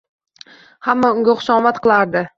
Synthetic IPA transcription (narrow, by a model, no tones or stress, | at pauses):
hamːaʊŋɡʲaχʊ̥ʃɒmat̪̚qʰɨlˠaɾd̪ɪ